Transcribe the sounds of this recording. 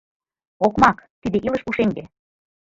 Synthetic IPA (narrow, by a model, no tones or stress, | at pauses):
okmɑkt̪id̪ĕʔilɤʃuʃeŋɡ̪e